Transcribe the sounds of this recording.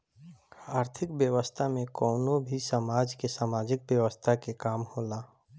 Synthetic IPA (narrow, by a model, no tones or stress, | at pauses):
aːɾt̪ʰɪkbjəʋəst̪ʰamẽkɔːnõbʱisamaːd͡ʒkesaːmaːd͡ʒɪk̚bjəʋəst̪ʰakekaːmhoːlaː